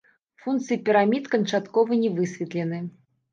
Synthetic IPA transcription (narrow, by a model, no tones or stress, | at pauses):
funk̪t̪sɨipʲiɾamʲit̪kɐnt͡ʂat̪kɔvɐɨnʲɛvɨsʲvʲɛt̪lʲɛnɨ